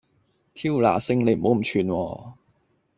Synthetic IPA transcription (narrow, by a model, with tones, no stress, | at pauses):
t̪ʰiː˥wla̰ː˨˩sɪ˧ŋne˨˧jm̩˨ho˨˥wm̩˨˩t͡ʃʰyː˧nwɔː˧